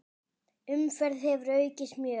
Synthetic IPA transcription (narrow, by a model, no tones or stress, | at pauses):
ʏmfɛɾðhɛvɾœːɥcɪsmjœː